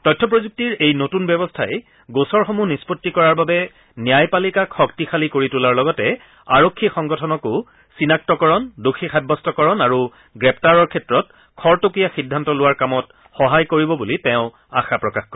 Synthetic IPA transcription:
tɔjtʰːɔp̬ɹozuk̚tiɹejnotunbɛbɔstʰaɛ | ɡosɔɹxomunispotːikɔɹaɹbabɛ | nijajpalikakʰxɔktixalikoɹitulaɹlɔɡɔtɛ | aɹokʰːixɔŋɡɔtʰɔnɔko | sinak̚tɔkɔɹɔndoxʰixʰad̚bɔstɔkɔɹɔnaɹu | ɡɹɛp̚taɹɔɹkʰɛtɹɔt̚ | kʰɔɹtokijaxidʱːantɔlʊwaɹkamɔt | xɔɦajkoɹibɔbulitɛʊ̃ | axapɹɔkaxkɔ

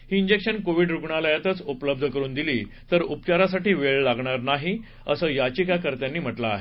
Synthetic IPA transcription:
hiːɲd͡ʑekɕənkoʋiɖɾuɡɳaləjat̪ət͡supləb̚d̪ʱəkəɾuːnd̪iliːt̪əɾupt͡ɕaɾasaʈiːʋeɭlaɡɳaɾnaɦi | əsəːjat͡ɕikakəɾt̪janːiːm̤əʈlaːɦe

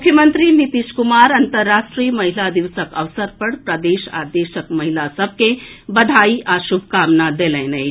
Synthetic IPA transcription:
kʰjəmənt̪ɾinit̪iʃkumaːɾɐnt̪əɾːasʈɾijmɐɦilad̪iʋsəkəʋsəɾpəɽpɾəd̪eːʃa̰d̪eːʃəkmɐɦilasəb̚ʱkebɐd̪ʱaːiʔaʃubʱkaːmnad̪elẽnə

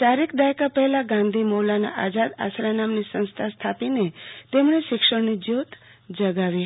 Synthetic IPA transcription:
t̪aɾikʰd̪ajkapəɦlaɡãnd̪ʱimolana̰ʔad͡ʒad̪a̰sɾanamnisə̃ñst̪ʰast̪ʰapinet̪emɳeʃɪkʃəɽnid͡ʒot̪ | d͡ʒəɡaʋi

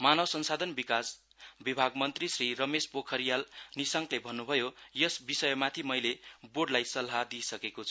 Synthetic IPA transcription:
manʌbsʌnsad̪ʱʌnbikas | bibʱaɡmʌnt̪risrirʌmespokʰʌɾijalnisʌŋklebʱʌnːubʱʌjojʌsbisʌjmat̪ʰimʌjleboɖlajsʌlɦad̪isʌkekot͡sʰʌ̥

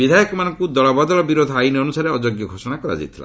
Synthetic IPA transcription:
bid̪ʱajɔkɔmanɔŋkud̪ɔɭabad̪ɔlɔbiɾod̪ʱainiɔnusaɾeɔd͡ʒoɡjɔɡʱosɔɽ̃akɔɾa̰d͡ʒa̰jt̪ʰila̰

